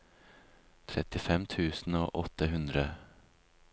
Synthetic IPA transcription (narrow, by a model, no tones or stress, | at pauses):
t̪ʰɾɛt̪ːɪfɛmːt̪ʰʉ̟ːsn̩ɔʔɔt̪ːəɦɵnd̪ɾə